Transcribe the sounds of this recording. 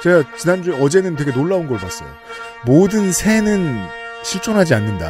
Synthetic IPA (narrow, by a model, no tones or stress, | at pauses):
t͡ɕe̞ɡat͡ɕinand͡ʑuʌd͡ʑe̞nɯntweɡe̞noɭːaunɡʌɭpas͈ʌjo̰ | modɯnsʰe̞nɯnɕʰiɭt͡ɕ͈ʰonɦad͡ʑianːɯnda̰